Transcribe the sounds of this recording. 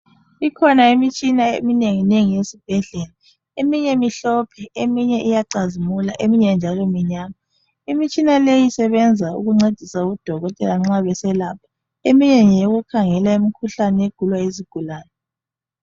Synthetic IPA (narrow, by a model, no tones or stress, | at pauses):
ikʰɔnaimit͡ʃʼinaḛmineŋineŋijesib̥ʱɛɮeːla | emiɲɛmiɬɔpʰɛemiɲɛʔijaǀazimulaʔemiɲɛnd͡ʒʱalɔmiɲaːma | imit͡ʃʼinalejisɛβɛnd͡zʱaṵɣuŋ͡ǀed̥ʱisaɣud̥ʱɔɣɔtʼɛlaŋ͡ǁaβɛsɛlapʰḁ | emiɲɛŋjeɣukʰaŋɛlaimikʰuɬanɛeɡ̥ʱulwaeziɡ̥ʱulaːnɛ